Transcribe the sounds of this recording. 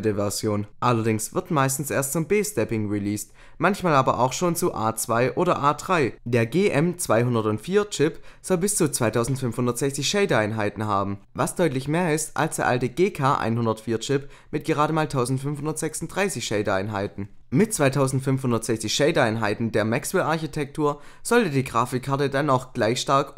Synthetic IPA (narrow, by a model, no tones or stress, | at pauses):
dəvɛɐzjoːnʔalɐdɪŋsv̥ɪɐtmaɪstn̩sʔeːɐstt͡sʊmbeːstɛpɪŋʁiliːst | mançmaːlaːbɐʔa̰ʊxʃoːnt͡suʔa̰ːt͡sv̥aɪʔoːdɐʔaːdʁaɪd̥eːɐɡeːʔɛmt͡sv̥aɪɦʊndɐtʊntfiːɐt͡ʃɪpz̥ɔlbɪst͡sut͡sv̥aɪtʰaʊzn̩tfʏnfhʊndɐtz̥ɛçt͡sɪçʃɛɪdaɪnɦaɪtn̩ɦaːbm̩vasd̥ɔʏtlɪçmeːɐɪstʔa̰lsd̥eːɐʔa̰ltəɡeːkʰaːʔa̰ɪnhʊndɐtfiːɐt͡ʃɪp | mɪt̚ɡ̥əʁaːɾəmaːltʰaʊzn̩tfʏnfhʊndɐtz̥ɛksʊnt̚d̥ʁaɪsɪçʃɛɪdəa̰ɪnɦa̰ɪtn̩ | mɪt̚t͡sv̥aɪtʰaʊzn̩tfʏnfhʊndɐtz̥ɛçt͡sɪçʃɛɪdəaɪnɦaɪtn̩deːɐmɛksɪlaɐçitʰɛk̚tʰuːɐz̥ɔltədiːɡʁaːfɪkʰːaɐtədanaʊxɡ̥laɪçʃtaɐk